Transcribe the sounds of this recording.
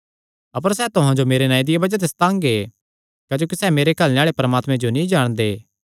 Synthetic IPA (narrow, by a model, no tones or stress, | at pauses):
ɐp̬əɾsɛːt̪ʊɦãd͡ʒomeːɾenaːĩd̪ɪjabɐd͡ʒat̪̬est̪ãːŋɡe | kaːd͡ʒoːkisɛːmeːɾekɐlnẽaːɭepɐɾmaːt̪mẽd͡ʒonĩd͡ʒaːɽ̃d̪eː